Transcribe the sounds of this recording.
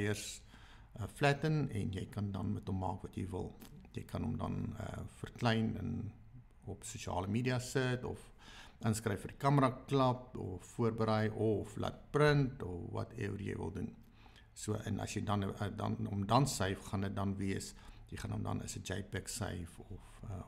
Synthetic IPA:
jərs | əflætənɛ̰njɛjkɐndɐnmɛtɔmːɑ̰ːkvɐtjɛjvə̰lˠjɛjkɐnɔmdɐ̰nə̰fərklɛjnə̰n | ɔpsuʃiɑ̰ːləmiːdiɐsətɔ̰f | ʔənskrɛjfərdikɐmərɐklɐpɔfːuərbəɾɛjʔɔflɐ̰t̚prəntɔvɐ̰tɛ̰wrjɛ̰jvə̰lˠdun | suəʔɛnʔɐ̰sjɛjdɐndɐ̰nɔmdɐnsəjfχɐndət̚dɐnviəsjəjχɑnɔmdɐ̰nə̰səd͡ʒɛjpɛksə̰jfɔfə

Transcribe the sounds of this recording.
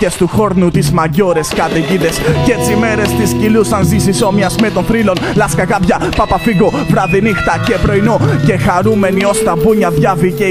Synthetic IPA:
est̪uxo̞ɾnut̪izmɐʝo̞ɾe̞skɐt̪eʝiðescet͡sime̞ɾe̞st̪iscilusɐnzisiso̞miɐzmet̪onθɾilo̞nlɐskɐɣɐpʝɐpɐpɐfiɣo | pɾɐðinixt̪ɐce̞pɾo̞inoce̞xɐɾume̞nio̞st̪ɐbuɲɐðʝɐvice

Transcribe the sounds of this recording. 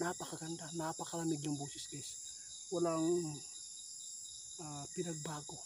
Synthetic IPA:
napɐkɐɡɐnd̪anapɐkɐɾɐmɪɡnɐŋboːsɪskɛs | wɐlaŋ | apɪnɐɡ̚baːɡo

